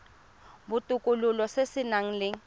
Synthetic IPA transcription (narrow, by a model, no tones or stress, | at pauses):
bʊtʼʊkʼʊlʊlɔsesɪnaŋ̩lɪ